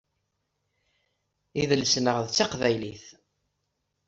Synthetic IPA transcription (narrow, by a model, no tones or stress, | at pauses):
iðəlsnəʁðt͡sːaqvæjliθ